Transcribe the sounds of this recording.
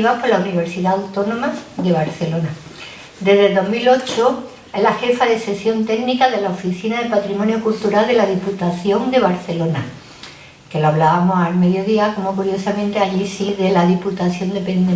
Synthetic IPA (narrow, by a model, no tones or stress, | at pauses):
βapo̞launiβ̞e̞ɾsiðaawt̪o̞nõ̞mad̪e̞βaɾθe̞lo̞na | d̪e̞zðed̪o̞ɦmilo̞t͡ʃo | elaxe̞faðe̞se̞sjo̞nt̪e̞ɣnikaðe̞laofiθinaðepat̪ɾimonjokult̪uɾald̪e̞laðiput̪aθjo̞nd̪e̞β̞aɾθe̞lo̞na̰ | ke̞loaβ̞laβamo̞salme̞ðjo̞ðiako̞mo̞kuɾjo̞samẽnt̪eaʎisiðe̞laðiput̪aθjo̞nd̪e̞pend̪e